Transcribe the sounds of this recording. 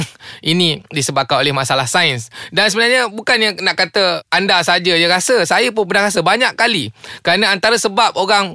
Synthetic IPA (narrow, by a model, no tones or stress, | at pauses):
ʔinĩdisəbakanolɛhmasalahsaənsdansəbənarɲəbukanjanaʔkat̪əandasad͡ʒajaɾasəsajəp̬ʊnpərnahɾas̬əbaɲakkːalikəɾanaant̪aɾəsəbap̚oɾaŋ